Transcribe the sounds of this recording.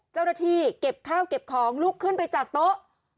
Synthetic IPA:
t͡ɕa˥˩wnaː˥˩t̪ʰiː˧˩ke˨˩p̚kʰaː˥˩wke˨˩p̚kʰɔː˩˦ŋluː˦˥˩kʰːɯ˥˩npa˧jt͡ɕaː˨˩k̚t̪o˦˥ʔ

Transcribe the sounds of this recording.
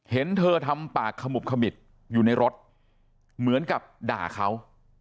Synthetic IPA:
he˩˦nt̪ʰɤː˧t̪ʰa˧mpaː˨˩kʰːa˧mu˨˩p̚kʰa˧mi˨˩t̪̚ | juː˨˩na˧jɾo˦˥t̪̚ | mɯ˩˦ənka˨˩p̚da̰ː˨˩kʰa˦˥w

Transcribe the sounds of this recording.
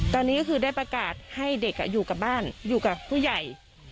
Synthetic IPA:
t̪ɔː˧nːiː˦˥kʰɯː˧da˥˩jpɾa˧kaː˨˩t̪̚ha˥˩jde˨˩k̚ːa̰˧˩juː˨˩ka˨˩p̚baː˥˩njuː˨˩ka˨˩p̚ʰuː˥˩ja˨˩j

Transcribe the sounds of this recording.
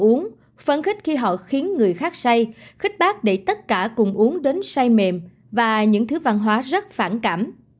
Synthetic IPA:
ʔu˨˦əŋ | fə˧nxï˦˥k̟̚xi˧ɦɔ̰˧˨xi˨˦ənŋɨ˨˩əjxaː˦˥k̚sa˧jxï˦˥k̟̚ɓaː˦˥k̚ɗe˧˩t̪ə˦˥t̚kaː˧˩kʊ˨˩ŋ͡mʔu˨˦əŋɗe˨˦nsa˧jme˨˩m | vaː˨˩ɲɨ̰˧˥ŋt̪ʰɨ˨˦va˧nɦwaː˨˦zə˦˥t̚faː˧˩nkaː˧˩m

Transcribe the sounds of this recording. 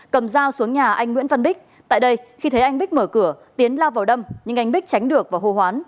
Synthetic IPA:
kə˨˩mzaː˧wsu˨˦əŋɲaː˨˩ʔa˧jŋŋwi˧˥nvə˧nɓi˦˥k̟̚ | t̪a̰ː˧˨jɗə˧jxi˧t̪ʰə˨˦jʔa˧jŋ̟ɓi˦˥k̟̚məː˧˩kɨ˧˩ət̪i˨˦ənlaː˧wvaː˨˩wɗə˧mɲɨ̰˧ŋʔa˧ŋ̟ɓi˦˥k̟̚t͡ɕa˨˦jŋ̟ɗɨ˨˩ək̚vaː˨˩wɦo˧˩ɦwaː˨˦n

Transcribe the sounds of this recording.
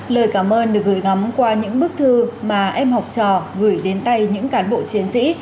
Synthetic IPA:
ləː˨˩jkaː˧˩mʔəː˧nɗɨ˨˩ək̚ɣɨː˧˩jŋa˨˦mkwaː˧ɲɨ̰˧˥ŋɓɨ˦˥k̚t̪ʰɨ˧maː˨˩ʔɛ˧mhwk͡p̚t͡ɕɔ̰˧˨˩ɣɨ˧˩jɗe˨˦nt̪a˧jɲɨ̰˧˥ŋkaː˨˦nɓo̰˧˨t͡ɕi˨˦ənsḭ˧˥

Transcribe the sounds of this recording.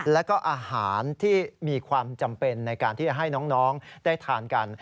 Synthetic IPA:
lɛ˦˥wkɔː˥˩ʔaː˧haː˩˦nt̪ʰiː˥˩miː˧kʰwaː˧mt͡ɕa˧mpe˧nːa˧jkaː˧nt̪iː˥˩t͡ɕa˩ɦa˥˩jnɔː˦˥ŋnɔː˦˥ŋdaː˥˩jt̪ʰaː˧nka˧n

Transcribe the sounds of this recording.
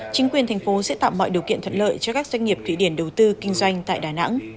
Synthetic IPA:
t͡ɕï˨˦ŋkwi˨˩ənt̪ʰɛ˨˩jŋ̟fo˨˦sɛ̰˧˥t̪a̰ː˧˨mɔ̰˧˨jɗi˨˩wkḭ˧˨nʰə̰˧˨nlə̰ː˧˨jt͡ɕɔ˧kaː˦˥k̚zwa˧ŋ̟ŋi˨˩əp̚t̪ʰḭ˧˨ɗi˧˩ənɗə˨˩wt̪ɨ˧kï˧ŋ̟zwa˧jŋ̟t̪a̰ː˧˨jɗaː˨˩na̰˧˥ŋ

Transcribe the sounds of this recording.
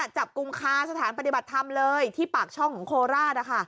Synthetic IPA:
a˨˩t͡ɕa˨˩p̚ku˧mkʰaː˥˩sa˧t̪ʰaː˩˦npa˧t̪i˨˩ba˨˩t̪ʰːa˧mlɤː˧jt̪ʰiː˥˩paː˨˩k̚t͡ɕʰɔ˥˩ŋkʰɔː˩˦ŋkʰoː˧ɾaː˥˩na˦˥˩kʰa˥˩

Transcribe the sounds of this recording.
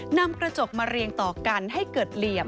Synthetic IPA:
na˧mkɾa˧t͡ɕo˨˩k̚maː˧ɾi˧əŋt̪ɔː˨˩ka˧nɦa˥˩jkɤː˨˩t̪̚li˨˩əm

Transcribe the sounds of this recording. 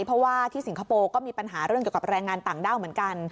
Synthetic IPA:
jpʰɾɔ˦˥waː˥˩t̪ʰiː˥˩si˩˦ŋkʰa˧poː˧kɔː˥˩miː˧pa˧nɦaː˩˦ɾɯ˥˩ki˨˩əka˨˩p̚ɾɛː˧ŋːaː˧nt̪aː˨˩ŋdaː˥˩wmɯ˩˦ənka˧n

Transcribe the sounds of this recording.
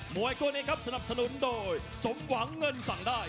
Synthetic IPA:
mu˨˩˦jku˧niː˦˥kʰa˦˥p̚sa˧na˨˩p̚sa˧nu˩˥ndoː˧j | so˨˦mwa˩˦ŋːɤ˧nsa˨˩˦ŋdaː˥˩j

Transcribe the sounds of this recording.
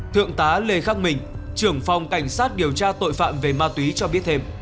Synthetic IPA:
t̪ʰɨ̰˧˨əŋt̪aː˨˦le˧˩xaː˦˥k̚mï˨˩ŋ̟t͡ɕɨ˨˧˩əŋfa˨˩wŋ͡mka˧˩jŋ̟saː˦˥t̚ɗi˨˩əwt͡ɕaː˧t̪o̰˧˨jfa̰ː˧˨mve˨˩maː˧t̪wi˨˦t͡ɕɔ˧ɓi˦˥ət̚t̪ʰe˧m

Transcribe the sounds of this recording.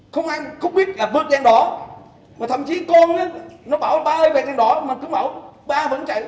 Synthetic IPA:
xə˧wŋ͡mʔaː˧jxə˧wŋ͡mɓi˦˥ət̚laː˨˩ɓɨ˦˥ət̚zaː˧nɗɔ˨˦ | maː˨˩t̪ʰə̰˧˨mt͡ɕi˨˦kɔ˧nnə˨˦˥nɔ˨˦ɓaː˧˩wɓaː˧ʔəː˧jve˨˩t͡ɕa˧˩nɗɔ˨˦maː˨˩kʊ˨˧˦ŋ͡mɓaː˧˩wɓaː˧və̰˧˥nt͡ɕə̰˧˨j

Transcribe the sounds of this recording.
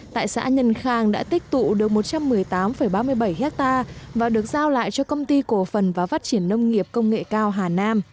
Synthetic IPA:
t̪a̰ː˧˨jsa̰ː˧˥ɲə˧˩nxaː˨˩ŋɗa̰ː˧˥t̪ï˦˥k̚t̪ṵ˧˨ɗɨ˨˩ək̚mo˨˩t̚t͡ɕa˧mːɨ˨˩əjt̪aː˨˦mfə˧˩jɓaː˧mɨ˧əjɓə˧˩jɦɛ˦˥k̚t̪aː˧vaː˨˩ɗɨ˨˩ək̚zaː˧wla̰ː˧˨jt͡ɕɔ˧kə˧wŋ͡mt̪i˧ko˨˧˩fə˨˩nvaː˨˩faː˦˥t̚t͡ɕi˧˩ənːə˧wŋ͡mŋi˨˩əp̚kə˧wŋ͡mŋḛ˧˨kaː˧wɦaː˨˩naː˧m

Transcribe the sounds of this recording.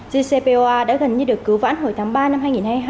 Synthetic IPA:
zi˧se˧pe˧ʔo˧ʔaː˧ɗa̰ː˧˥ɣə˨˩nɲɨ˧ɗɨ˨˩əkːɨ˨˦wva̰ː˧˥nɦo˨˩jt̪ʰaː˨˦ŋɓaː˧na˧mhaː˧jŋi˨˩nhaː˧jɦaː˧

